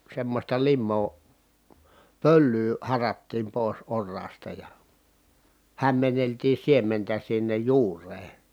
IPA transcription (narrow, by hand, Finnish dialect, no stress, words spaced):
semːostɑ limːoː pølːyː hɑrɑtːiːm poˑis orːɑːstɑ jɑ hæmːenːeltiː siementæ sinːej juːrˑeː